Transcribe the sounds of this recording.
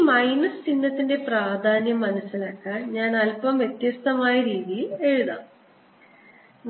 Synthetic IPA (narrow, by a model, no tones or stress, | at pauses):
mɐjnɐst͡ɕinːɐt̪ːinde̞praːd̪ʱaːnjɐmːɐnɐsːilaːkːaːnɲaːnɐlpɐmje̞t̪jɐst̪ɐmaːjɐɾiːðijile̞ɻuðaː